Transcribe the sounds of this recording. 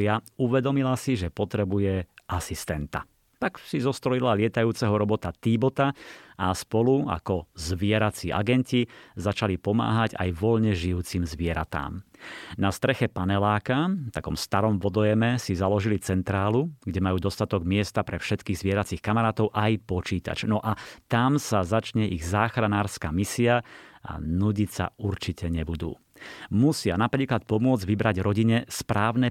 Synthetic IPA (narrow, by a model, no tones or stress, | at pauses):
auʋɛd̪ɔmilasiʒɛpɔt̪ɾɛbujɛʔasist̪ɛnt̪a̰ | t̪aksizɔst̪ɾɔilalɪɛt̪ajuːt͡sɛɦɔɾɔbɔt̪at̪ibɔt̪aaspɔlua̰kɔzʋɪɛɾat͡siːʔa̰ɡɛncizat͡ʃalipɔma̰ːɦaɟa̰jʋɔʎɲɛʒijuːt͡simzʋɪɛɾa̰t̪a̰ːmnast̪ɾɛxɛpanɛlaːkaft̪akɔmst̪aɾɔmʋɔd̪ɔjɛmɛsizalɔʒilit͡sɛnt̪ɾaːluɡɟɛmajuːd̪ɔst̪at̪ɔɡmɪɛst̪apɾɛfʃɛt̪kiːɣzʋɪɛɾat͡siːxkamaɾaːt̪ɔʊʔajpɔt͡ʃiːt̪a̰t͡ʃnɔʔat̪amsazat͡ʃɲɛʔiɣzaːxɾanaːɾskaːmisiaʔa̰nuɟicsa̰ʔuɾt͡ʃicʰɛɲɛbud̪ṵː | musɪanapɾiːklat̪̚pɔmʊɔd͡zɟʋibɾaɟɾɔɟiɲɛspɾaːʊnɛ